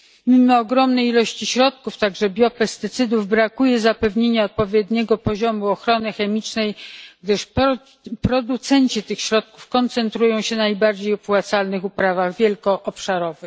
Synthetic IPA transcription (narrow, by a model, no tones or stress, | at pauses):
mʲimɔːɡɾɔmnɛjilɔɕt͡ɕiɕɾɔt̪̚kuft̪aɡʐɛbʲjɔpɛst̪ɘt̪sɘd̪uvbɾakujɛzapɛvɲeɲaɔt̪̚pɔvʲjɛd̪ɲɛɡɔpɔʑɔmuɔxɾɔnɘxɛmʲit͡ʂnɛjɡd̪ɘʂ | pɾɔd̪ut̪sɛɲt͡ɕit̪ɘxɕɾɔt̪̚kufkɔnt̪sɛnt̪ɾujɔ̃w̃ɕɛnajbaɾd͡ʑejɔpwat̪salnɘxupɾavaɣvʲjɛlkɔʔːpʂaɾɔvɘx